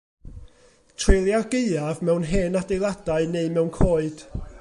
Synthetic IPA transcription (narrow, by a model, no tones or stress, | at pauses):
tʰrelˠjaɡ̥eɨavmɛwnɦɛːnadejlˠad̥aɨneɨmɛwnkʰoːɨd̥